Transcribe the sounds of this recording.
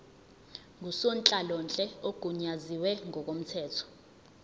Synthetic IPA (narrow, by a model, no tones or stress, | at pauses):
ŋusɔnt͡ɬʼalɔnt͡ɬʼɛoɡ̥ʱuɲaziwɛŋɔk̬ʼom̩tʰɛːtʰɔ̥